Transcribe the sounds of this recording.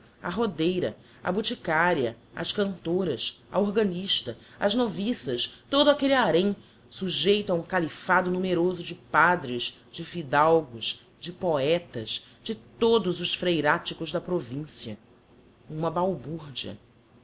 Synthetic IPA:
ɐɦod̪ejɾɐ̰ | ɐ̰but͡ʃikaɾiɐ | ɐ̰ʃkɐ̃nt̪oɾɐsɐoɾɡɐniʃt̪ɐ | ɐznovisɐʃt̪od̪ʊakeliaɾẽj̃ | suʒejt̪ʊaũŋkalifad̪ʊnumeɾozʊd͡ʒɪpad̪ɾɪz | d͡ʒɪfid̪awɡʊʃ | d͡ʒɪpoɛt̪ɐz | d͡ʒɪt̪od̪ʊzʊʃfɾejɾat͡ʃikʊʒd̪ɐpɾovĩsiɐ | ũmɐbawbuɾd͡ʒiɐ̰

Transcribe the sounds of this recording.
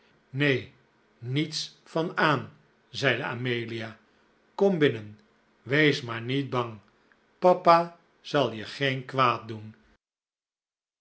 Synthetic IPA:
nej | nits | fɑnaːn | zɛjdəa̰ːmejliaː | kɔmbɪnən | ʋejsmaːɹnid̚bɑŋ | pɑpaː | z̥ɑlˠjəχejnkʋaːt̚dun

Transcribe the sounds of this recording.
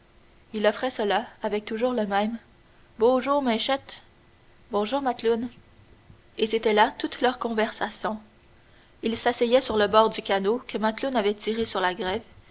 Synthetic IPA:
ilɔfʁɛsəlaavɛk̚t̪uʒuːʁləmɛ̃m | boʒuːʁmɛ̃ʃɛt̪ | bɔ̃ʒuːʁmat̪lun | eset̪ɛlat̪ut̪lœʁkɔ̃vɛʁsasjɔ̃ | ilsasɛjɛsyʁləbɔːʁd̪ykʲanokəmat̪lunavɛt̪iʁesyʁlaɡʁɛv

